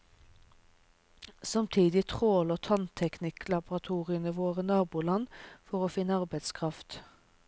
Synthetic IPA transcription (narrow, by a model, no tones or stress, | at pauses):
sɑmt̪ʰiːd̪ɪt̪ʰʁoːlət̪ʰɑnt̪ʰɛknɪkʰlɑbʊʁɑt̪ʰuːʁɪənəʋoːʁənɑːbuːlɑnfɔʁoːfɪnːəɑʁbɛɪt̪skʰʁɑft̪